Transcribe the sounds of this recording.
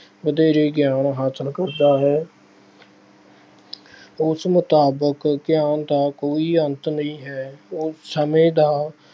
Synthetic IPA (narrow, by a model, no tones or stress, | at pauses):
bəd̪eːɾeːɡɪjaːnɦaːsəlkəɾd̪aːɦɛː | ʊsmʊt̪aːbəkɡɪjaːnd̪aːkoːiːənt̪nəĩːɦɛːʊsəmẽːd̪aː